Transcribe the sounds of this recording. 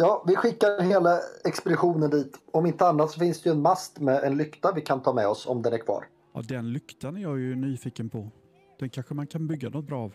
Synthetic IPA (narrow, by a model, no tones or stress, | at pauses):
jɑːvɪɧɪkːaɾɦeːlaɛkspɛd̪ɪɧuːnənd̪iːt̪ɔmɪnt̪əanːat̪sɔfɪnsd̪ɛjɵɛnmast̪mɛʔɛnlʏkt̪avɪkʰant̪ʰɑːmɛɔsɔ̰md̪ɛnæɾkʰv̥ɑ̰ːɾ | jɑ̰d̪ɛnlʏkt̪anæɾjajɵnyːfiːkənpʰɔ | d̪̥ɛnkʰanɧəmankʰanbʏɡːanɔt̪̚bɾɑːv